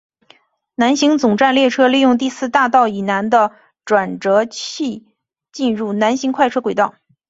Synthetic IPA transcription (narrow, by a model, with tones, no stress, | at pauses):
na˧˥nɕi˧˥ŋt͡sʊ˨˩ŋʈ͡ʂa˥˧nljɛ˥˩ʈ͡ʂʰɤ˥li˥˧jʊ˥˧ŋt̪̬i˥˧sɹ̩˥˧t̪a˥˧t̪ɑ˥˩ʊi˨˩na˧˥nd̪ə˧ | ʈ͡ʂwa˨˩nʈ͡ʂɤ˧˥t͡ɕʰi˥˧ | t͡ɕi˥˧nɻu˥˩na˧˥nɕi˧˥ŋkʰwa˥˧ɪʈ͡ʂʰɤ˥kwe˨˩ɪt̪ɑ˥˩ʊ